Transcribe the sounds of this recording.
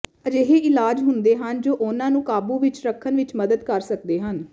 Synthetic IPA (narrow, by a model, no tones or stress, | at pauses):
əd͡ʒeːɦeːɪlaːd͡ʒɦʊnd̪eːɦənd͡ʒoːʔʊnãːnũːkaːbũːʋɪt͡ʃɾəkʰːənʋɪt͡ʃməd̪əd̪kəɾsək̚d̪eːɦən